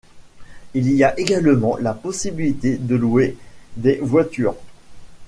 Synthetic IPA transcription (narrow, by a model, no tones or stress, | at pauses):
iliaʔeɡalmɑ̃lapɔsibilit̪ed̪əlued̪evwat̪yːʁ